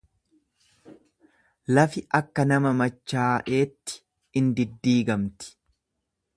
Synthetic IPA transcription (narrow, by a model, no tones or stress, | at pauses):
lɐfɪʔɐkːɐnɐmɐmɐt͡ʃːaːʔe̞ːt̪ːɪ̥ | ɪnd̪ɪd̪ːiːɡɐmt̪ɪ̥